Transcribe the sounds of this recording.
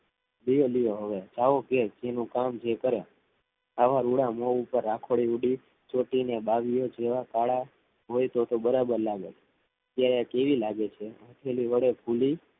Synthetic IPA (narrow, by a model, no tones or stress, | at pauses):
lijolijoɦəʋed͡ʒaʋoked͡ʒenũkamd͡ʒekəɾe | aʋaɾuɽamoupəɾːakʰoɽiuɖi | t͡ʃoʈinebaʋijod͡ʒeʋakaɭa | ɦojt̪ot̪obəɾabəɾlaɡet͡ʃʰe̥ | ət̪jaɾeakeʋilaɡet͡ʃʰeə̃t̪ʰeliʋəɽebʱuli